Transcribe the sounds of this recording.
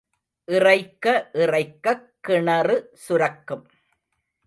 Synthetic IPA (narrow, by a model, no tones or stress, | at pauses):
ʔɪrɐɪkːɐʔɪrɐɪkːɐkːɪɳɐrɯsʊɾɐkːɯm